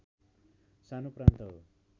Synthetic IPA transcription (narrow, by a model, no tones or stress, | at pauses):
sanoprant̪ʌɦo̰